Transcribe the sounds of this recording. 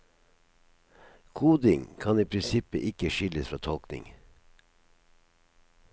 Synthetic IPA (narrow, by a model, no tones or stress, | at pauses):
kʰuːd̪ɪŋkʰɑniːpʰɾɪnsɪpə̰ʔɪkəʃʏləsfɾɑːt̪ʰɔlknɪ̰ŋ